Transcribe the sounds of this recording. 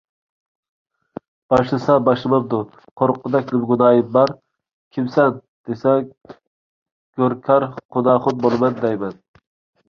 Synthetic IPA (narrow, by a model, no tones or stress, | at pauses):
b̥ɑʃlˠɨsɑbɑʃlˠɨmɑp̚d̪ʊ | qʰoɾqʰːʊd̪ɛkʲlɪbɡunɑːjimbɑɾ | kʲʰimsɛn | d̪̥esɛ | ɡ̥ʲoɾkʲʰɑɾqʰʊnɑːχʊd̪̚bolˠɨmɛnd̪ɛjmɛn